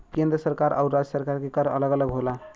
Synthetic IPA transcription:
kẽnd̪ɾəsəɾkaɾʔa̰ʊɾːad͡ʒəsəɾkaɾkekəɾə̰ləɡələɡɦola

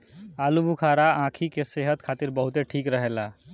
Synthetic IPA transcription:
alubʱukʰaɾaãkʰikeseɦət̪kʰat̪iɾbəɦut̪eʈʰikɾəɦela

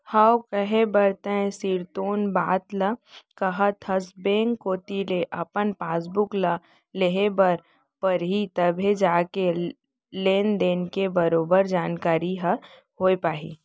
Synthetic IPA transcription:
hɐwkəɦebɐɾt̪ẽsiːɾt̪oːnbaːt̪ləkɐɦət̪ʰɐsbẽːŋkːoːt̪ileʔɐpənpaːs̬bʊklə | leɦebɐɾ | pɐɾɦit̪ɐbʱed͡ʒaːke | leːnd̪eːnkebɐɾoːbəɾd͡ʒaːnkaːɾiɦɐ | hoːepaːɦḭː

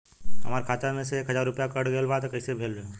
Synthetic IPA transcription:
ɦɐ̰maːɾkʰaːt̪amẽseeːkɦɐzaːɾːʊpjakəɽɡeːlbat̪kəisebʱeːld͡ʒa

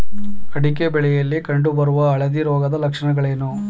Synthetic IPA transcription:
ɐɽikebɛɭɛjɐlːikɐɳɖubɐɾuʋɐːɭɐd̪iɾɔːɡɐd̪ɐlɐkʂɐɳɐɡɐɭeːnu

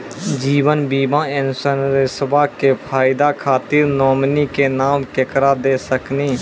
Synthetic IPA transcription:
d͡ʒiːʋənbiːmãɪnsənɾesbakepʰaːɪd̪akʰaːt̪iːɾnɔːmnikenaːmkekɾad̪eːsəkniː

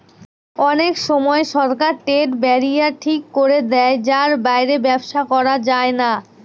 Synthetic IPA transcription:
ɔnekʃɔmɔeʃɔɾkaɾʈeʈbɛɾijaɾʈʰikːoɾed̪ɛed͡ʑaɾbajɾebɛbʃakɔɾad͡ʑaena

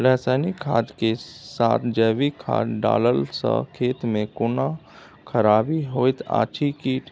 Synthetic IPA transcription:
lɛːsəːnikʰaːd͡ʒkesaːt̪ʰd͡ʒɛːʋikʰa̰ːɖa̰ːləlsə̰kʰeːt̪mẽkʊna | kʰəɾaːbiɦoːɪt̪ʰa̰ːt͡ʃʰikiːʈʰ

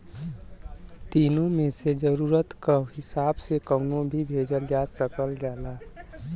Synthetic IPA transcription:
t̪inõmesed͡ʒəɾuɾət̪kaɦɪsabsekənõbʱibʱed͡ʒəld͡ʒasəkəlɡɛla

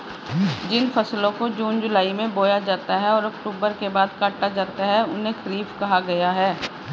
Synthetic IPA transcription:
d͡ʒɪnfɐslõkod͡ʒuːnd͡ʒʊlaːimẽboːjad͡ʒaːt̪aɦɛɔːɾɐkʈuːbəɾkebaːd̪kaːʈːad͡ʒaːt̪aɦɛʊnɦẽkʰɐɾiːfkɐɦaɡɐjaɦɛː

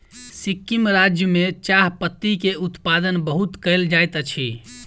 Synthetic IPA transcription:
sikːimɾad͡ʒjəmet͡ʃaɦpət̪ːikeut̪pad̪ənbəɦut̪kəɪld͡ʒajt̪ət͡ʃʰḭ

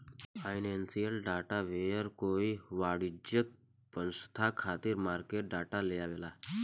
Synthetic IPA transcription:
ainensielɖaʈaʋejəɾkoiʋaɽid͡ʒək̚ | pənsə̥t̪ʰakʰat̪iɾmaɾkeʈ̚ɖaːʈaleaʋela

